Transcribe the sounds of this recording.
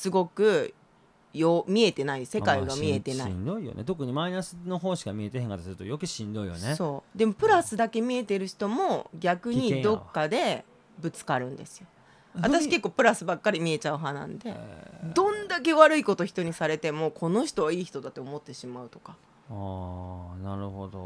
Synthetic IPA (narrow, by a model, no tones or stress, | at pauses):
sɨɡo̞kɯ̟ | joːmʲie̞t̪e̞naise̞kaiɡamʲiet̪e̞na̰ind̪oijo̰nḛt̪o̞kɯ̟ɲ̟imainasɨno̞ɦoːɕi̥kamʲie̞t̪eɦeŋkat̪asɨɾɯ̟t̪o̰jokeɕĩnd̪o̞ijo̰neso̞ːd̪e̞mo̞pɯ̟ɾasɨd̪ake̞mʲie̞t̪e̞ɾɯ̟çi̥t̪o̞mo̞ɡʲakɯ̟ɲ̟id̪o̞kːad̪e̞ | bɯ̟t͡sɨ̥kaɾɯ̟̃nd̪e̞sɨ̥jo | at̪aɕike̞kːo̞ːpɯ̟ɾasɨbakːaɾʲimʲie̞t͡ɕaɯ̟ɦanã̰nd̪e̞̰d̪õ̞nd̪ake̞βaɾɯ̟iko̞t̪o̞çʲi̥t̪o̞ɲ̟isaɾe̞t̪e̞mo̞ːkʰo̞no̞çi̥t̪oβaiːçi̥t̪o̞d̪at̪ːe̞omo̞t̪ːe̞ɕimaɯ̟t̪o̞̥ka | a | naɾɯ̟hod̪o̰